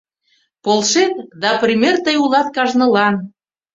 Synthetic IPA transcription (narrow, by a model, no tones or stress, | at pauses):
polʃet̪d̪ɑprʲimʲert̪əjulɑt̪̚kɑʒnɤ̆lɑn